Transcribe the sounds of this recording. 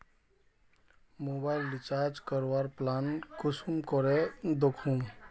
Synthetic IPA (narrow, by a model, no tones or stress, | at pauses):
mobaɪlɖit͡ʃaɾd͡ʒkəɾwaɾplankʊsumkɔɾed̪okʰũ